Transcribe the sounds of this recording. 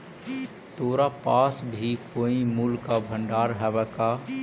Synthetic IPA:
t̪oːɾapaːsbʱikoːimuːlkabʱə̃ɳɖaːɾɦɛbɛːka

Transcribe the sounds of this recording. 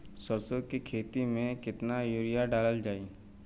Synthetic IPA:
səɾsokikʰeːt̪imẽkɪt̪najuːɾijaɖaːləld͡ʒaːiː

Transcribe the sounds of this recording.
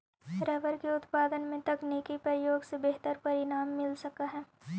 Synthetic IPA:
ɾɛːʋəɾkeʊt̪paːd̪ənmẽt̪ɐkneːkipɐɾjoːɡsebeɦt̪əɾpɐɾɪnaːmːɪlsɐkaɦɛː

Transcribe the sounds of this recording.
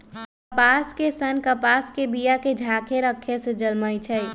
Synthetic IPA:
kəpaːskesənkəpaːskebijaked͡ʒʱaːkʰeɾəkʰːesed͡ʒəlməjt͡ʃʰəi

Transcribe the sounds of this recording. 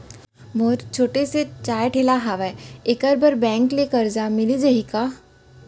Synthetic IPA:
moːɾt͡ʃʰoːʈeset͡ʃaːjʈʰeːlaɦaʋɛɪkəɾbɐɾbɛ̃ːŋklekɐɾd͡ʒamɪlid͡ʒɐɦikaː

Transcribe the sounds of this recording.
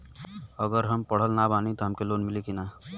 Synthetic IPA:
əɡəɾɦəmpəɽ̤əlnabaːnit̪ɔɦəmkelonmilikina

